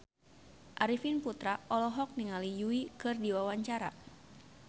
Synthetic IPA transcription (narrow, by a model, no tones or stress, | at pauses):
ʔaɾifinput̪ɾaʔɔlɔɦɔk̚niŋalijuikɨrdiwawaɲt͡ʃaɾa̰